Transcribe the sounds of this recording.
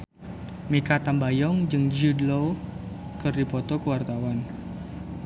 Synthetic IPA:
mikat̪ambajɔŋd͡ʒɨŋd͡ʒudlo | kɨrdipɔt̪ɔkəwart̪awan

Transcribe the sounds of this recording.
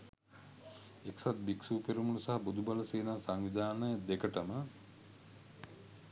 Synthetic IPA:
eksat̪̚biksuːpeɾumunusaɦabud̪ubaləseːnaːsaŋʋid̪aːnəəd̪ekəʈəmə

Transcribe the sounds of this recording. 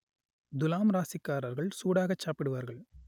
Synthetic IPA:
d̪ʊlaːmɾaːsɪkːaːɾɐɾɣɐɭsuːɽaːɣɐt͡ʃːaːpːɪɽɯʋaːɾɣɐɭ

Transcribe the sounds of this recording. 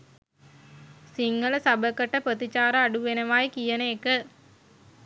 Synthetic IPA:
siŋɡələsabəkəʈəpɾət̪it͡ʃaːɾəaɖuʋenəʋaːjikijənəekə

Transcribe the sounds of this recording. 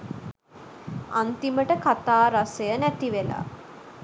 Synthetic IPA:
ant̪iməʈəkat̪aːɾasəjənæt̪iʋela̰

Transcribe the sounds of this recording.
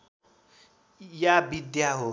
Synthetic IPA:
jabidiaɦʊ

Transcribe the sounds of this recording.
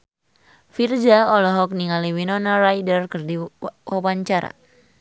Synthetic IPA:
fird͡ʒaɔlɔɦɔk̚niŋaliwinɔnarajdərkɨrdiwawaɲt͡ʃaɾa̰

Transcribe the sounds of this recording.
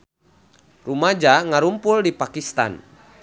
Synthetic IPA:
rumad͡ʒaŋaɾumpʊldipakist̪a̰n

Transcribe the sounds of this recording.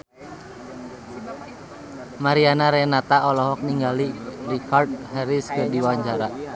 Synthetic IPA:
maɾianaɾɛnat̪aʔɔlɔɦɔk̚niŋɡalirikʰard̚hɛɾiskərdiwaɲd͡ʒaɾa

